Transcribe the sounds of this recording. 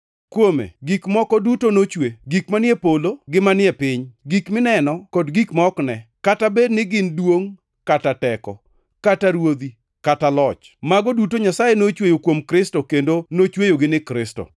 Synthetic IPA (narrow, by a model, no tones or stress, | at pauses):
kwomḛɡikmɔkɔdutonot͡ʃweɡikmanɪɛpoloɡɪmanɪɛpɪɲɡikmɪnɛnɔkodɡikmɔknɛkatabednɪɡɪndwoŋ | katatɛkɔ̰ | kataɾwod̪i | katalɔt͡ʃ | maɡɔdutoɲasajenot͡ʃwejokwomkɾɪstokendonot͡ʃwejoɡɪnɪkɾɪstɔ̰